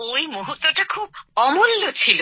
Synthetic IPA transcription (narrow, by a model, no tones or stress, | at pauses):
oimoɦut̪ːɔʈakʰubɔmulːot͡ʃʰilo